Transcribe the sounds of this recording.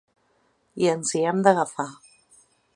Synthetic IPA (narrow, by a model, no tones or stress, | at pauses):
iənziɛmd̪əɣəfa